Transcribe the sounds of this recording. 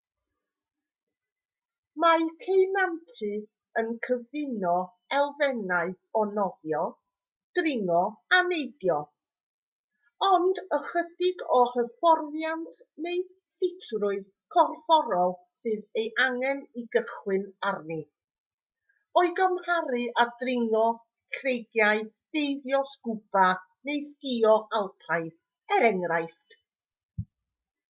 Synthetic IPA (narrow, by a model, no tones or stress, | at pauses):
makʰejnantʰɨ | ənkʰəvɪnɔ | ɛlˠvɛnaɨ | ɔnɔvjɔ | d̥rɪŋɔanejdjɔ | ɔndəχədɪɡɔhəfɔrvjantʰ | nej | fɪtʰrʊɨð | kʰɔrfɔɾɔlˠ | sɨːðejʔaŋɛniɡəχwɨnarni | ɔɨɡəmhaɾɨʔadrɪŋɔ | kʰrejɡjaɨ | d̥ejðjɔskub̥a | nejskiɔʔalˠpʰaɨθ | ɛɾɛŋrajθt